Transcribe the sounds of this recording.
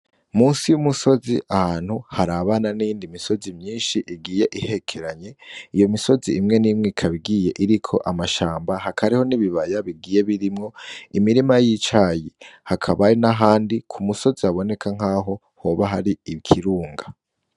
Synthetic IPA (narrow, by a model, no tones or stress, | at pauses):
muːnsijumuso̞ziʔahaːn̥huhaɾaβananiːndimiso̞zimɲiːnʃiʔiɡiːje̞ʔihe̞kʰeɾaɲe̞ijo̞miso̞ziimŋe̞nimŋikʰaβiɡije̞ʔiɾikʰo̞̰ʔamaʃaːmbahakʰaɾiho̞niβiβajaβiɡiːje̞βiɾimŋo̞imiɾimajit͡ʃajehakʰaβainaɦaːndikʰumuso̞ziaβo̞ne̞kʰaŋ̥aːɦo̞ | hoβaɦaɾiikʰiɾuːŋɡa